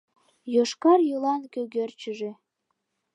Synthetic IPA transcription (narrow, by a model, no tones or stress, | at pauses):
joʃkɑrjolɑnkøɣørt͡ɕəʒe